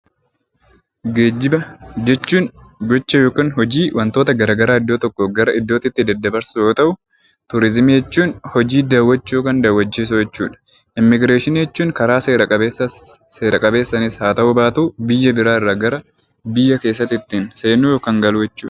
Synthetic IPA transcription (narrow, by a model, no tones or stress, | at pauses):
ɡeːd͡ʒɪbɐd͡ʒɛt͡ʃːuːnɡɔt͡ʃːɐjo̞ːkɐnhɔd͡ʒiːwʔɐnt̪oːt̪ɐɡɐɾaːɡɐɾaːɪd̪ːo̞ːt̪ɔkːɔɡɐɾɐʔɪd̪ːo̞ːt̪ɪt̪ːɪd̪ɐd̪ːɐbɐɾsʊjo̞ːt̪ɐʔʊ | t̪ʊɾɪzmid͡ʒɛt͡ʃːuːnhɔd͡ʒiːd̪aːwːɐt͡ʃːuːkɐnd̪aːwɐt͡ʃːeːs̬ʊd͡ʒɛt͡ʃːuːᶑɐ̥ | ʔɪmːɪɡɾe̞ːʃɪnijɛt͡ʃːuːŋkɐɾaːseːɾɐkʼɐbeːsːɐse̞ːɾɐkʼɐbe̞ːsːɐnɪshaːt̪ɐʔʊbaːt̪uːbɪjːɐbɪɾaːɪrːaːɡɐɾɐ | bɪjːɐke̞ːs̬ːɐt̪ɪt̪ːiːnse̞ːnuːjoːkɐŋɡɐlʊjɛt͡ʃːṵːᶑɐ̥